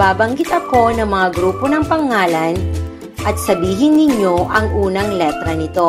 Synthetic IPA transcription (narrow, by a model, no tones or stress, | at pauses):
baːbɐŋɡɪt̪ɐko̞nɐŋmɐŋaɡɾuːpo̞nɐŋpɐŋaːlɐn | ʔɐt̪̚sɐbiːɦɪnːɪɲo̞ʔɐŋʔuːnɐŋlɛt̪ɾɐnɪt̪o̞